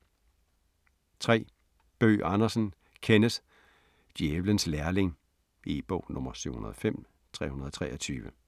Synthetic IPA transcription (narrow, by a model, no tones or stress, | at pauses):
t͡sʰʁɛ̰ː | b̥ø̰ːʔɑ̈nɐsn̩ | kʰenəs | d̥jieʋlənslæɐle̝ŋ | ib̥ɔ̽ʊ̰nɔmɐsyʊhunɐðˠɒ̽fem̰ | t͡sʰʁɛ̰ːhunɐð̩ˠɒ̽t͡sʰʁɛ̰ːɐɒt͡sʰyːʋə